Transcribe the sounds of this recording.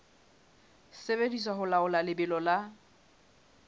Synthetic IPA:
sebediswaɦʊlaʊlalɪbɪlɔla

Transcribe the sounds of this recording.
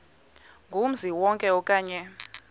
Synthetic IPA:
ŋɡʱum̩ziwɔŋkʼɛɔkʼaːɲɛ

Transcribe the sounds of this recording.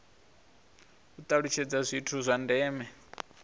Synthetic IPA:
ut̪ʼaɺut͡ʃʰɛd͡zazʷitʰuzʷandɛːmɛ

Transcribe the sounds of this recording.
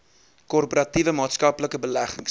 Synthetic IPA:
kɔrpoɾɐtivəmɑːtskɐpləkəbəlæχəŋs

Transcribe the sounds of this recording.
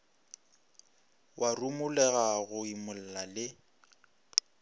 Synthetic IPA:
wʔarumʊlɛɣaɣʊimʊl̩lalɪ

